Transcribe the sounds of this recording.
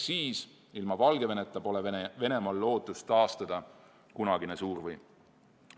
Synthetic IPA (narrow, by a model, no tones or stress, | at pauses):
siːs | ilmɑvɑlɡ̥e̞ve̞net̪ˑːɑpo̞le̞ve̞ne̞mɑlːo̞ːt̪ːˑust̪ɑːst̪ɑd̪̥ɑ | kunɑɡ̥inesuːrvɯj